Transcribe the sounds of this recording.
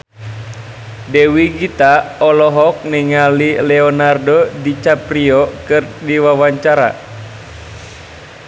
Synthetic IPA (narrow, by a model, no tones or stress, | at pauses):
dɛwiɡit̪aɔlɔɦɔk̚niŋalilɛɔnardɔdit͡ʃapɾiɔkɨrdiwawaɲt͡ʃaɾa̰